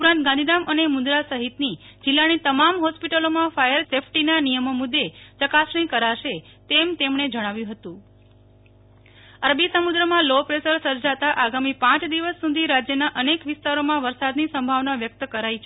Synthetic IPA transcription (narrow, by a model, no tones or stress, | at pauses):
upɾãnt̪̚ɡãnd̪ʱinamənemʊ̃nd̪ɾasəɦit̪nid͡ʒɪlːanit̪əmamɦɔspiʈəlomãfajəɾsefʰʈinanijəmomud̪ːet͡ʃəkasɳ̃ĩkəɾaʃet̪emt̪emɳed͡ʒəɽ̃aʋjũɦət̪ũ | əɾbisəmud̪ɾəmãlopɾesəɾsəɾd͡ʒat̪aʔaɡamipãt͡ʃd̪iʋəsːud̪ʱiɾad͡ʒjənaʔənekʋɪst̪aɾomãʋəɾsad̪nisəmbʱaʋnaʋjək̚t̪əkəɾait͡ʃʰ